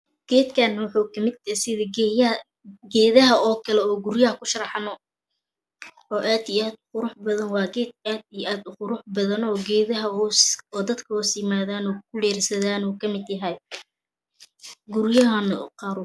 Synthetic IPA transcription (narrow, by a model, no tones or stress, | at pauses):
ɡ̥ɛːd̪kʰaːnɐwʊħuːkʰɐmɪd̪̚jɐsɪðɐ | ɡɛːðɐɦɐɔːkʰɐlɛɔːɡʊrjɐhɐkʰʊʃɐɾɑħɑnɔ | ɔːʔaːd̪ijaːd̪ʊqʊɾʊħbɐðɐnwɑːɡɛːd̪̚aːd̪ijʔaːd̪ʊqʊɾʊħbɐðɐnɔːɡɛːðɐɦɐsɔːd̪ɐd̪kʰɐɔsjɪmaːðaːnɔːkʰʊlɛːrsɐðaːnɔːkʰɐmɪd̪jɐɦɛj | ɡʊrjɐɦɐnɐ̰qɑːɾʊ